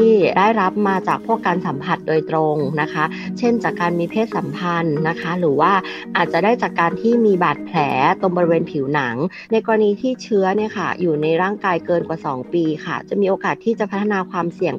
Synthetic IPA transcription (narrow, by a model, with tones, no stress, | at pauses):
iː˥˩daː˥˩jɾa˦˥p̚maː˧t͡ɕaː˨˩k̚pʰu˥˩əkːaː˧nsa˩˦mpʰa˨˩t̪̚doː˧jt̪ɾo˧ŋna˦˥kʰa˦˥t͡ɕʰe˥˩nt͡ɕaː˨˩kːaː˧nmiː˧pʰeː˥˩t̪̚sa˩˦mpʰa˧nːa˦˥kʰa˦˥ɾɯː˩˦waː˥˩ʔaː˨˩t̪̚t͡ɕa˨˩daː˥˩jt͡ɕaː˨˩kːaː˧nt̪ʰiː˥˩miː˧baː˨˩t̪̚pʰlɛː˩˦t̪o˧ŋbɔː˧ɾi˧weː˧npʰi˩˦wna˩˦ŋ | na˧jkɔː˧ɾa˧niː˧t̪ʰiː˥˩t͡ɕʰɯ˦˥ɐni˥˩ɐkʰa̰˥˩juː˨˩na˧jɾaː˥˩ŋkaː˧jkɤː˧nkwaː˨˩sɔː˩˦ŋpiː˧kʰa̰˥˩t͡ɕa˨˩ʔmiː˧ʔoː˧kaː˨˩t̪ʰːiː˥˩t͡ɕa˨˩pʰa˦˥t̪ʰːa˧naː˧kʰwaː˧msi˨˩əŋ